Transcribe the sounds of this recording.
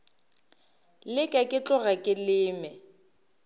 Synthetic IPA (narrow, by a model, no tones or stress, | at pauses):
lɪkʼakʼɪt͡ɬʼʊɣakʼɪlɪːmɛ